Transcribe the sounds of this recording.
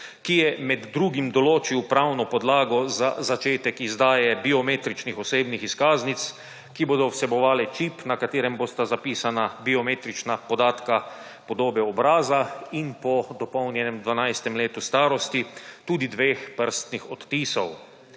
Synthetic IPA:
kijɛmɛd̪ːɾuːɡimd̪ɔloːt͡ʃiwpɾawnɔpɔd̪laːɡɔza̰zat͡ʃeːt̪ɛkizd̪aːjɛbiɔmeːt̪ɾit͡ʃnixɔseːbnixiskaːznit̪s | kiboːd̪ɔwsɛbɔʋaːlɛt͡ʃipnakat̪eːɾɛmboːst̪azapiːsanabiɔmeːt̪ɾit͡ʃnapɔd̪aːt̪ka | pɔd̪oːbɛɔbɾaːzainpɔd̪ɔpɔwnjɛnɛmd̪ʋanajst̪ɛmleːt̪ust̪aːɾɔst̪it̪uːd̪id̪ʋeːxpəɾst̪nixɔt̪ːiːsɔw

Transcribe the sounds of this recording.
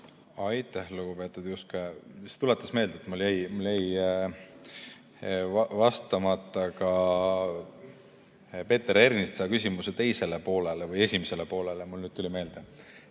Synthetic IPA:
ɑjt̪ːˑæhluɡ̥upe̞ːt̪ːˑud̪juskeset̪ulet̪ːˑɑsme̞ːld̪̥et̪muljæjmuljæj | ɑvɑst̪ɑmɑt̪ːˑɑkɑ | pe̞ːt̪ːˑeɾe̞rnist̪sɑkys̬ʲimuset̪e̞jse̞le̞po̞ːle̞levɯje̞sʲimese̞lepo̞ːlelemulnyːd̪̚t̪ulime̞ːld̪̥e

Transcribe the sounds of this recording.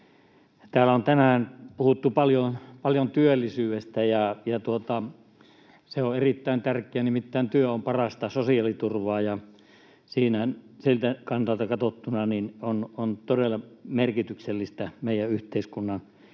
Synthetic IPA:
t̪æːlæont̪ænæːnpuhut̪ːupɑljopɑljont̪yølːisyːest̪æjɑjɑt̪uot̪ɑ | seoerit̪ːæˑint̪ærkˑeænimit̪ːæˑːnt̪yøompɑrɑst̪ɑsosiɑlit̪urʋɑːjɑ | siːnæænsilt̪ækɑnsɑlt̪ɑkɑt̪ot̪ːunɑninonont̪odelːˑɑmerkit̪ykselːist̪æmeˑijˑæyht̪eˑiskunːɑn

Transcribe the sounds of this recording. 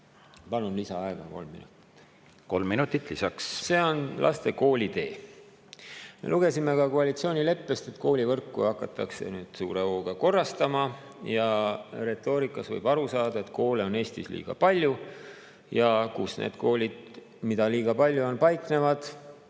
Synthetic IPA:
pɑlunlisɑɑeɡ̥ɑko̞̰lmːḭnut̪ˑi̥t̪ːˑ | ko̞lmːinut̪ːit̪ˑlisɑksse̞ːo̞nlʔɑ̰st̪e̞ko̞ːlʲit̪e̞ː | mḛlʔuɡ̥e̞simekɑkoɑlʲit̪sio̞ːnʲile̞pːe̞st̪e̞t̪ːko̞ːlʲivɤrkːˑṵɑkːˑɑt̪ːˑɑkse̞̰nyːd̪̥sṵːɾe̞oːɡ̥ɑko̞rːɑst̪ɑmɑ | jɑre̞t̪ːˑo̞ːɾikːˑɑsvɤ̰jb̥ɑɾusɑːd̪ɑe̞t̪ko̞ːle̞o̞ne̞ːst̪islḭːɡ̥ɑ̰pɑlʲju | jɑkusnḛːd̪̥ko̞ːlʲid̪̥ | mid̪ɑliːɡ̥ɑpɑlʲːjuo̞npɑjkne̞vɑd̪̥

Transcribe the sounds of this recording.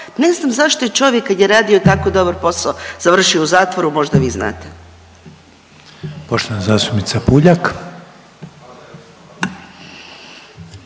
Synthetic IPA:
ne̞znaːmzaʃt̪ojet͡ʃo̞ʋjekːad̪jeɾaːd̪io̞t̪akod̪o̞baɾpo̞saoz̥aʋr̩ʃiouzaːt̪ʋoɾumo̞ʒd̪aʋiːzna̰ːt̪e | poʃt̪oanazaːst̪upnit̪sapuʎak

